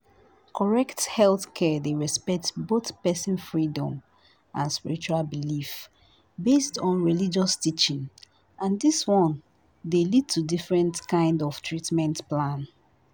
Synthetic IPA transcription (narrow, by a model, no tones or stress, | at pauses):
kʰɔɹɛkthɛlθkʰɛdeɹɛspɛk̚tboθpɛsɛ̃nfɹidɔ̰̃m | ʔãnspiɹit͡ʃualbilif | bestɔ̃nɹilid͡ʒɔstit͡ʃĩn | ʔãndiswɔ̃n | delid̚tʰudifɹɛ̃ntkʰãɪ̃ndɔftʰɹitmɛ̃ntplãn